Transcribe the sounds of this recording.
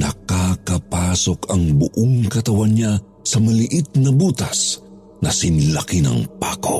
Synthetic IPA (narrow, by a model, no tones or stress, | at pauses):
nɐ̰kakɐpasokʰɐŋbʊʔoŋkɐt̪ɐwanɲa | sɐmɐlɪʔit̪̚nɐbuːt̪ɐs | nɐsinlɐkinɐ̰ŋpa̰ko̰